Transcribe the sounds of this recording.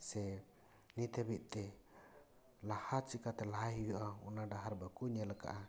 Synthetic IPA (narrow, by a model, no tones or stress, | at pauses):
sɛ | nit̪ɛbiʔ̪̚ˀt̪ɛ | lahat͡ʃikat̪ɛlaɦaɦiwɛʔaunaɖaɦaɾbakuɲalaka̰ʔa